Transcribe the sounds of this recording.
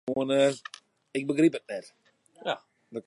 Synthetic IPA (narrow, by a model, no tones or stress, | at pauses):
oənə | ɪk̚bəɡripət̚nɛt | ja | də